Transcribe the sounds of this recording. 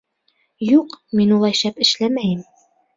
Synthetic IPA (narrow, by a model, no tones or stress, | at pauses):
juqminulˠɑjʃæpɘ̆ʃlæmæjɘm